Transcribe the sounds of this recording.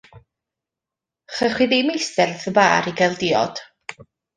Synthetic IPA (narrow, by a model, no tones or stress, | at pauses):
χəχwiðemejsɛrθəbaːɾiɡɛlˠdɪɔ̰d̥